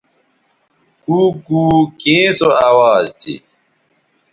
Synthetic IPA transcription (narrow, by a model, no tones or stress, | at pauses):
kuːkuːkẽːsoɐawaːzt̪ḭ